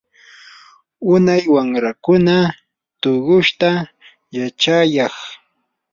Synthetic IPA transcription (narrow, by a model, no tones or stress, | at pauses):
ʊnajwamɾakʊna | t̪oɢʊʃt̪a | jat͡ʃajɑχ